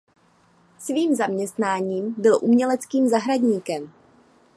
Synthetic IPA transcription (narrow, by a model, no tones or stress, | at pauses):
sviːmzamɲɛst̪naːɲiːmbɪlʔumɲɛlɛt͡skiːmzaɦɾaɟɲiːkɛm